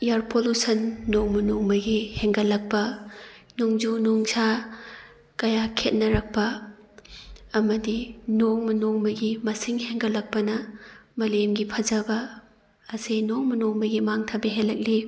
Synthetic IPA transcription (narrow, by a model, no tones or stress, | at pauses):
jaɾpʰolusɐnːoŋmɐnoŋmɐɡiheŋɡɐlɐk̚pɐnuŋd͡ʒunuŋsʰa | kɐjakʰet̚nɐɾɐk̚pɐ | mɐdinoŋmɐnoŋmɐɡimɐsiŋheŋɡɐlːɐk̚pɐnɐmɐlemɡipʰɐzɐbɐː | sejnoŋmɐnoŋmɐɡimaŋtʰabeɦelːɐk̚li